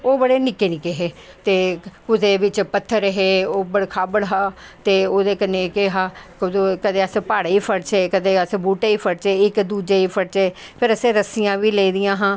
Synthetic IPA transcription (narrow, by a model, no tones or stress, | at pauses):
oːbəɽeːnɪkeːnɪkeːɦeː | t̪eːkʊd̪eːʋɪt͡ʃpət̪ʰːəɾɦeːoːbəɽkʰaːbəɽɦãː | t̪eːoːd̪eːkənːeːkɪɦãːkːkəd̪eːəspaːɽːiːpʰəɽt͡ʃeːkəd̪eːəsbuːʈeːiːpʰəɽt͡ʃeːɪkd̪uːd͡ʒeːiːpʰəɽt͡ʃeː | pʰɪɾəsẽːɾəsijãːʋiːleiːd̪ɪjãːɦãː